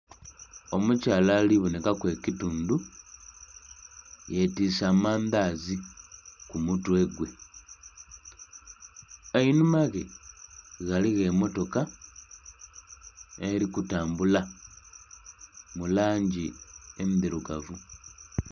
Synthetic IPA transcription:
o̞mucaːlaliβunekakwe̞ːcituːndu | je̞tiːsamaːndazikumutwe̞ːɡwe̞ | einumaɣe | ɣaliɣe̞mo̞to̞ka | eɾikutaːmbula | mulaːɲɟiemiðiɾuɡavu

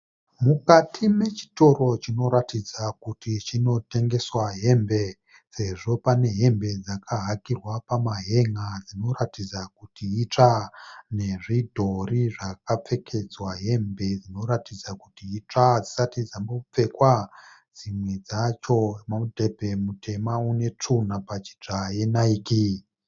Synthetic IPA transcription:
mukatʰime̞t͡ʃi̥to̞ro̞t͡ʃino̞ɾatid͡zakutit͡ʃino̞te̞ŋɡe̞swaɦe̞mbe̞ | se̞ʐo̞pane̞ɦe̞mbe̞d͡zakaɦakirwapamaɦe̞ŋad͡zino̞ɾatid͡zakutiːt͡ʂane̞ʐidʱo̞riʐakap͡fe̞kʰe̞d͡zwaɦe̞mbe̞d͡zino̞ɾatid͡zakutiːt͡ʂad͡zisatid͡zamop͡fe̞kwad͡zimwe̞d͡zat͡ʃo̞maudʱe̞bʱe̞mute̞maune̞t͡ʂun̤apat͡ʃi̥t͡ʂaje̞naiki

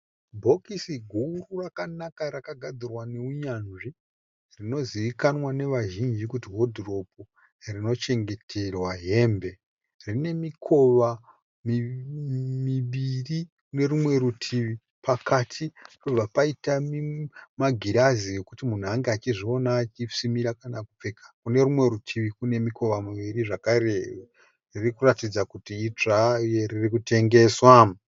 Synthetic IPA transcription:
bʱo̞kisiɡʱuːrurakanakaɾakaɡʱad͡zirwaneuɲanʐi | rino̞ziʋikanwane̞ʋaʒind͡ʒikutiɦo̞dʱro̞p̚u | rino̞t͡ʃe̞ŋɡe̞tʰe̞rwaɦe̞ːmbe̞ | rine̞mikʰo̞ʋa | mi | miʋirikune̞ɾumwe̞ɾutʰiʋi | pakatʰito̞b͡vapaitamimaɡʱiɾazije̞kutimun̤uaŋɡeat͡ʃiʐio̞naːt͡ʃisimiɾakanakup͡fe̞kḁkune̞ɾumwe̞ɾutʰiʋikune̞miko̞ʋamuʋiɾiʐakaɾe | ririkuratid͡zakutiːt͡ʂajeririkute̞ŋɡe̞ːswa

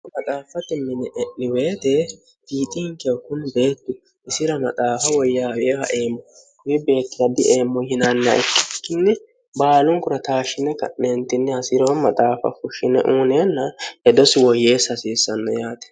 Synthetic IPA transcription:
mɐt̪ʼaːfːɐt̪ɪmːɪnɛʔɛʔːɪweːt̪ɛ | biːt̪ʼɪŋkɛɔkːʊnbe̞ːt̪ːʊ | ɪsɪɾɐmɐt̪ʼaːfɐwɔjːaːweːhɐ̰ʔe̞ːmːɔ | kʊwɪbe̞ːt̪ːɪɾɐd̪ɪʔeːmːɔhɪnanːɐɛkːɪ̥kːɪnːɛ | baːlʊŋkʊɾɐt̪aːʃːɪnɛkɐ̰ʔːeːnt̪ɪnːɛhɐsiːɾɔwmɐt̪ʼaːfɐ̰fʊʃɪnɛ̰ʔuːneːnːɐɛd̪ɔsɪwɔjːe̞ːsːɐsiːsːɐnːɔ̰jaːt̪ɛ̥

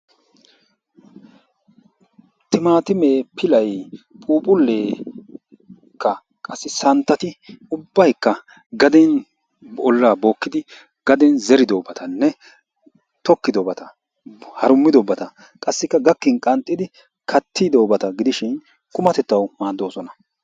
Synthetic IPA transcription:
t̪ɪmaːt̪ɪmeːpʰɪlɐjpʼuːpʼʊlːe̞ː | kːɐ | kʼɐsːɪsɐnt̪ːɐt̪ɪʊbːɐjkːɐ | ɡɐd̪ɛn | ɔlːaːbo̞ːkːɪd̪ɪ | ɡ̥ɐd̪ɛnzɛɾɪd̪oːbɐt̪ʰɐnːɛ | t̪ɔkːɪd̪obɐt̪ɐ | hɐɾʊmːɪd̪ɔbɐt̪ɐ | kʼɐsːɪkːɐɡɐkːɪnkʼɐnt̪ʼːɪd̪ɪ | kʰɐt̪ʰːɪd̪oːbɐt̪ɐɡɪd̪ɪʃɪn | kʼʊmɐt̪ɛt̪ːɐwmaːd̪ːo̞ːsɔnɐ

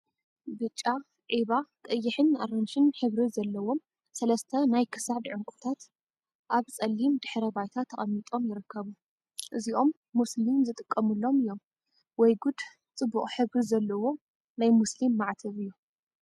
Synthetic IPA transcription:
bɨt͡ʃʼːa | ʕiβat̪ʼɐjːɪħɨna̰ɾɐnʃɨnħɨβɾizɐlːɐwo̞m | sɐlɐst̪ʰɐnajkʰɨ̥sad̪ʕʊŋkʷʼut̪ʰat̪ | ʔaβt͡sʼɐlːimd̪ɨħɾɐbajt̪ʰat̪ʰːɐχʼɐmːit̪ʼo̞mjɪɾɨkʰːɐβu | ʔɨziʔo̞mːuslimzɨt̪ʼɨkʼːɐmɨlːo̞mɨjːo̞m | wɔjɡud̪ | t͡sʼɨbːuχʼħɨβɾizɐlːɐwo̞ | najmuslimːaʕt̪ʰɐβɨjːu

